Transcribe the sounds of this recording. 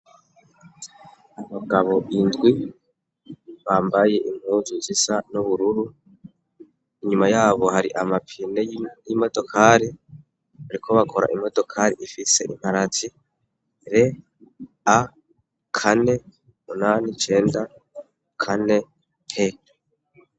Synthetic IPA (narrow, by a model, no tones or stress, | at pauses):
aβaɡaβo̞ʔindɡwi | βaːmbaje̞ʔim̥huːzuzisanuβuɾuɾu | iɲumajaːβo̞ɦaɾiʔamapʰineimo̞do̞kʰaːɾi | aɾikʰo̞βakʰo̞ɾa̰ʔimo̞do̞kʰaːɾiʔifise̞̰ʔim̥haɾat͡si | ɾe̞ | a | kʰane̞ | munaːnit͡ʃe̞ːnda | kʰane̞ | he